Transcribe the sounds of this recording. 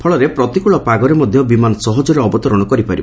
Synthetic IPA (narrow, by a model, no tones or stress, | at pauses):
pʰɔɭɔɾepɾɔt̪ikuɭɔpaɡɔɾemɔd̪ʱjɔbimanɔsɔɦɔd͡ʒɔɾeɔbɔt̪ɔɾɔɽ̃ɔkɔɾipaɾib